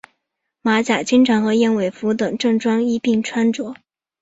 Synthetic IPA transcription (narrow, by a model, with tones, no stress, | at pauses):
ma˧˥t͡ɕja˨˩t͡ɕi˥ŋʈ͡ʂʰɑ˧˥ŋxɤ˧˥jɛ˥nwe˨˩ɪfu˧˥t̪ɤ˨˩ŋʈ͡ʂɤ˥˧ŋʈ͡ʂwɑ˥ŋi˥pi˥˩ŋʈ͡ʂʰwa˥nʈ͡ʂwɔ˧˥